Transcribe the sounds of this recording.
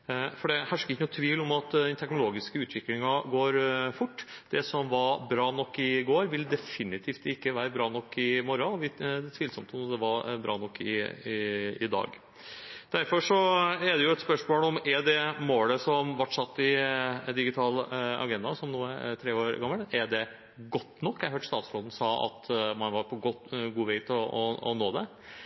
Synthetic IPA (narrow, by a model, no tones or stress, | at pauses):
fɔɖɛhæʂkəɪçənʊːt̪ʰʋiːlɔmɑt̪d̪ɛnt̪ʰɛknʊloːɡɪskəʉːt̪ʰʋɪklɪŋɑɡoːɾfʊʈːd̪̥ɛsɔmʋɑɾbɾɑːnɔkːɪɡoːɾʋɪld̪ɛfɪnɪt̪ʰift̪ɪkːəʋæːɾəbɾɑːnɔkːɪmɔɾɑɔʋɪd̪ɛt̪ʰʋiːlsɔmt̪ɔmd̪ɛʋɑɾbɾɑ̰ːnɔkːɪɪɪ̰d̪ɑ̰ːɡ | d̪̥æɾfɔʂɔɛɖ̪ɛjʊɛt̪spœʂmoːlɔmɛɖɛmoːləsɔmʋɔʈʂɑt̪ːɪd̪ɪɡɪt̪ʰɑːlɑ̰ɡɛnd̪ɑsɔmnuːæ̰t̪ʰɾeːoːɾɡɑmːəlɛɖɛ | ɡɔt̪ːnɔkːjæɪɦøːʈ̪ʂst̪ɑːt̪sfloːd̪n̩sɑːɑ̰t̪mɑnʋɑɾpʰɔɡɔt̪ɡuːʋeɪt̪ʰɔɔɔ̰noːd̪ɛ